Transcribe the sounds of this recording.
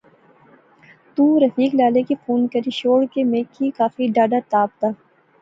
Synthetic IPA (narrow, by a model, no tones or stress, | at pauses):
t̪ũːɾɐfiːklaːlekifuːnkɐɾiʃoːɽkemeːkʰːikaːfiɖaːɖat̪aːp̚t̪aː